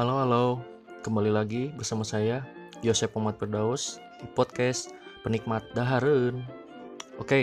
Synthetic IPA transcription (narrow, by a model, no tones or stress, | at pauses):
haloalow | kəmbalilaɡibərsamasajajosɛpamat̪̚pərdaus | pɔt̪̚kɛspənik̚mat̪̚daɦaɾən | oke